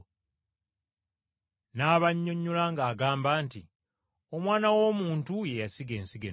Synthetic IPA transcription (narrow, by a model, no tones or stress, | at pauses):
naːβaɲːo̞ɲːulaŋɡaːɡaːmbaːnti | o̞mwaːnawo̞ːmuːntuje̞jasiɡe̞ːnsiɡḛ